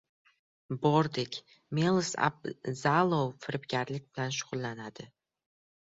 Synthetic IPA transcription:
bɒɾd̪ɪkʲ | melˠɨsa̰b̚zalˠowfɪɾɪpɡʲaɾlɪk̚ʲbɪlanʃ̬ʊʁʊlˠːanad̪ɪ

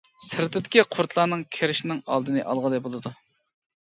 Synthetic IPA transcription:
sɪɾt̪ɪd̪ɪkʲiqʰʊɾt̪ʰlˠɑnɨŋkʲʰeɾɪʃnɪŋɑ̰lˠd̪ɨnɨʔɑlˠʁəlˠɨbolˠɨd̪u

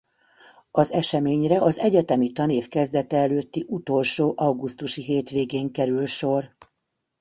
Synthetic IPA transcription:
ɒzɛʃɛmeːɲrɛʔɒzɛɟɛt̪ɛmit̪ɒneːfkɛzd̪ɛt̪ɛɛløːt̪ːiʔut̪o̞lʃoːʔɒwɡust̪uʃiɦeːt̪ʋeːɡeːŋkɛɾylʃo̞r

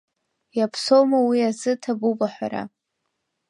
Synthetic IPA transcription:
japʰsowmawiazɨtʰabubaħʷa̰ɾa̰

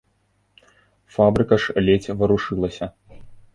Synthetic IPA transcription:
fabɾɨkɐʂlʲet͡sʲvɐɾuʂɨlˠɐsʲɐ

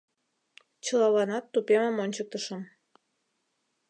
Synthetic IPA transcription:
t͡ɕəlɑβɑnɑt̪ːupeməmonʲt͡ɕək̚t̪əʃə̆m

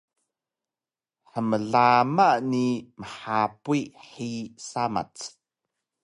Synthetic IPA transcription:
ħəməɮamaʔniməħapuiħisama̰t͡s

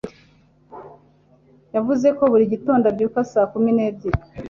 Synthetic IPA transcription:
javuze̞ko̞βuɾiɟito̞ːndabɟuːkasaːkumine̞ːbɟiɾ

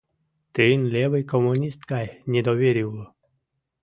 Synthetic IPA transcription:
t̪ɨnlʲɛvɨjkɔmʊnʲist̪kajnʲɛd̪ɔʋʲeɾʲiwlˠɔ

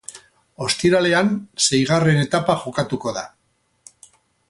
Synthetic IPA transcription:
o̞st̪iɾale̞anse̞jɣ̞are̞ne̞t̪apaʝo̞kat̪uko̞ða̰

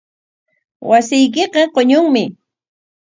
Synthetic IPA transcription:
wasɪjk̬ɪqɑqoɲʊŋmɪ

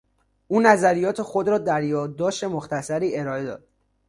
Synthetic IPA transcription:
ʔuːnæzæɾijɒːt̪ʰexo̞d̪ɾɒːd̪æɾjɒːd̪ːɒːʃt̪e̞moxt̪ʰæsæɾiːe̞ɾɒːe̞d̪ɒ̰ːd̪̥̚

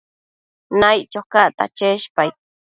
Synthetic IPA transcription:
najt͡ʃokaʔt̪a̰t͡ʃeʃpaj

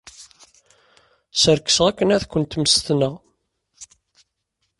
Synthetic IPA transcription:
səɾkːə̥sʁækːənæðkʷːənt̪məst̪nəʁ

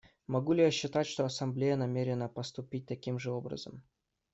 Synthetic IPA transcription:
mɐɡulʲɪjaɕːɪt̪atʲʂt̪oɐsɐmblʲejənɐmʲeɾʲɪnəpɐst̪ʊpʲit̚ʲt̪ɐkʲimʐɨo̞bɾə̰zə̰m

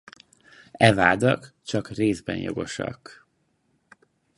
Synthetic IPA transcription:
ɛvaːd̪ɒkt͡ʃɒkreːzbɛ̰njo̞̰ɡo̞ʃɒ̰k

